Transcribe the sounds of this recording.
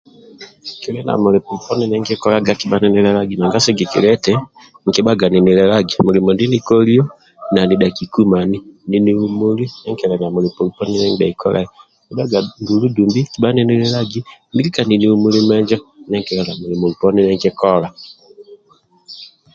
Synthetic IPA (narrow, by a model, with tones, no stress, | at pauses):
ŋki˨ɾɛ˦na̰˨mo˨ɾe˨pu˨ɾu˨pɔ˦ni˦nɛ˦ŋɡe˦kɔ˦ɾa˦ɡa˨ki˨ɓa˦nɛ˦ni˦ɾɛ˦ɾa˦ɡi˨na˨ŋɡa˦sɛ˦ɡi˨kḭ˨ɾɛ˦tɛ˦ | ŋ˨ke˦ɓa˦ɡa˨ni˨ni˨ɾɛ˦ɾa˦ɡi˨mo˨ɾe˨mɔ˨ndi˦ni˦kɔ˦ɾi˦ɔ˦ | na˨ni˨ɗa˨ki˨ku˦ma˨ni˦ni˨ni˦u˦mu˦li˦nɛ˦ŋkɛ˨ɾɛ˨na˨mo˨ɾe˨pu˨ɾu˨pɔ˦ni˦nɛ˦ŋ˦a̰˨i˨kɔ˦ɾa̰˨iŋki˦ɓa˦ɡa˨ŋɡu˨lu˦du˨mbi˦ki˨ɓa˦nɛ˦ni˦ɾɛ˦ɾa˦ɡi˦ndi˦ɾi˦ka˨ni˨ni˦u˦mu˦li˦mɛ˦ɲd͡ʒɔ˦nɛ˦ŋkɛ˨ɾɛ˨na˨mo˨ɾi˨mo˨ɾu˨pɔ˦ni˦nɛ˦ŋkɛ˦kɔ˦ɾa˨